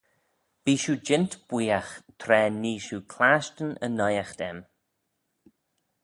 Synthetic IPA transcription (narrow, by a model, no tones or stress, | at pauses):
b̥iːʃuːd͡ʒɪnt̪b̥wiːaxt̪ʰɾɛːniːʃuːkʰlaːʃtənə̰najaxd̪̥ɛ̰m